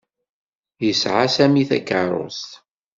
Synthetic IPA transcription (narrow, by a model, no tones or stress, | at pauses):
jəsʕasæmiθæ̰kːəɾˤo̰st̪